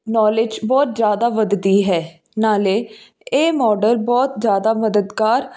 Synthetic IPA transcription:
nɔːlɪd͡ʒbɔːt̪zjaːd̪aːʋəd̪d̪iːɦɛː | naːleː | eːmɔːɖəlbɔːt̪zjaːd̪aːməd̪əd̪ɡaːɾ

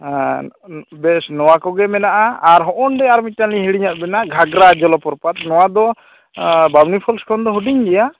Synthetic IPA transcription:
bɛsnɔwakɔɡɛmɛnaʔaaɾɦɔʔɔnɖɛaɾmic̪̚taliɦiɽiɲat̪̚bɛnaɡʱaɡɾad͡ʒɔlɔpɔɾpat̪̚nɔwad̪ɔ | babnipʰɔlskʰɔnd̪ɔɦuɖiɲɡɛja

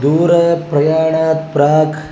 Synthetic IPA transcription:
d̪uːɾɐpɾɐjaːɳaːt̪̚pɾaːk

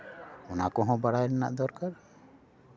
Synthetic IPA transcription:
ɔnakɔɦɔ̃baɽajnɛna̰ʔd̪ɔɾkaɾ

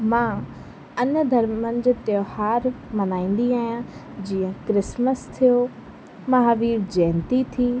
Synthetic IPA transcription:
mãː | ɐnəd̪ʱɐɾmənɪ̆d͡ʑt̪johaːɾmɐnaːĩːn̆d̪iaːɦjã | d͡ʑĩːə̃kɾɪsməst̪ʰijo | mɐɦaːʋiːɾd͡ʑɛːnt̪it̪ʰiː

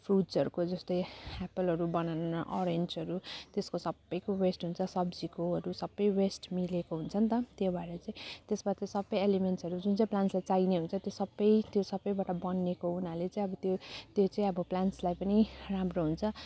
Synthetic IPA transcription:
pʰruʈd͡zʌɾukod͡zʌst̪ʌjapʌlɦʌɾubʌnanaʔʌɾend͡zʌɾut̪eskosʌbːʌjkowesʈɦunt͡sʰʌsʌbd͡zikoɦʌɾusʌbːʌjwesʈmilekoɦunt͡sʰʌnt̪ʌt̪jobʱaeɾʌt͡saĩt̪esbat̪ʌsʌbʌjelimensʌɾud͡zunt͡sãĩplanslajt͡sajneɦunt͡sʰʌt̪josʌbːʌjt̪josʌbːʌjbaʈʌbʌnːekounalet͡sãĩʌbʌt̪jot̪jot͡sãĩʌbʌplanslajpʌniramroɦunt͡sʰʌ

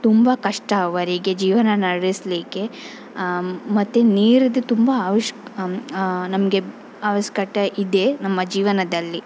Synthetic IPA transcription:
t̪umbɐkɐʂʈɐʋɐɾiɡed͡ʒiːʋɐnɐnɐɽɽisliːke̞ | mɐt̪ːeniːɾid̪et̪umbɐːʋɐʂ | nɐmɐɡe | aːʋɐʃkɐʈɐʔid̪enɐmːɐd͡ʒiːʋɐnɐd̪ɐlːi

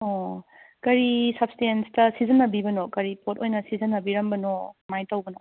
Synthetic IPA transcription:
o | kɐɾisɐp̚stenstɐsizɐnːɐbibɐnokɐɾipʰotojnɐsizɐnːɐbiɾɐmbɐnomajtɐwbɐno

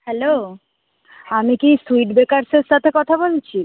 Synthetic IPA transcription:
hɛlo | amikisuiʈbekaɾseɾʃat̪ʰekɔt̪ʰabolt͡ɕʰi

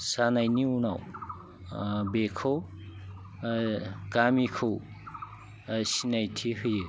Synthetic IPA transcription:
sanajniunaw | bekʰɯw | kamikʰɯw | sinajtʰihɯjɯ

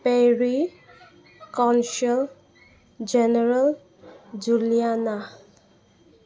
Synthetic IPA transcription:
peɹi | kɔnsɔl | d͡ʒɛnɛɹal | d͡ʒulijana

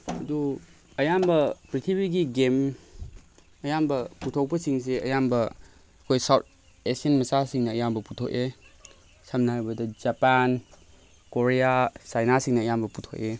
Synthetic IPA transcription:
ɐdu | ɐjambɐpɾitʰibiɡiɡem | ɐjambɐputʰok̚pɐsiŋs̬eɐjambɐː | kʰojsawt̚ʰ | esiɐnmɐsasiŋnɐːjambɐputʰok̚e | samnɐɦajbɐdɐd͡ʒapan | koɾijasajnasiŋnɐːjambɐputʰoke

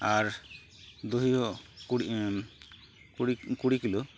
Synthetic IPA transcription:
aɾ | d̪uɦiɦɔi | kuɽikilɔ

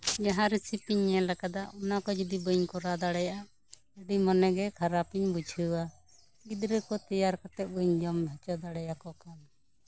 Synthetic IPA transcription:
d͡ʒaɦaɾisipiɲːɛlakat̪aɔnakɔd͡ʒid̪ibəɲkɔɾad̪aɽɛjaʔa | əɖimɔnɛɡɛkʰaɾapiɲbud͡ʒʰʱəwa | ɡid̪ɾɛkɔt̪ijaɾkat̪ɛt̪̚bəɲd͡ʒɔmbʱɛt͡ʃɔd̪aɽɛjakɔkan

